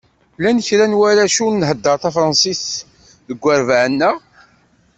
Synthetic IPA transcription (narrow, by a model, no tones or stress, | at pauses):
lænəçɾænwæɾæʃunnːɦəd̪ːəɾˤθɑfɾˤɑnsis | ðəɡʷːæɾvʕənːæ